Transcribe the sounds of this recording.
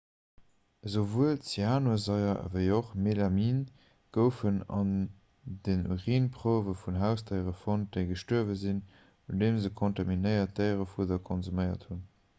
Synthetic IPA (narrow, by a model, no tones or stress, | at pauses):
zovuəlt͡siaːnozɑɪɐ̰vəɪoχmelɑmiːn | ɡ̥əʊfənɑ̰n | dənʁiːnpʁ̥oːvəfunɦæʊsdəɪʁəfont̚d̥əɪɡəʃtuɐvəzin | undeːmzəkʰontɑminəɪɐt̚dəɪʁəfudɐkʰonzuməɪɐ̰thun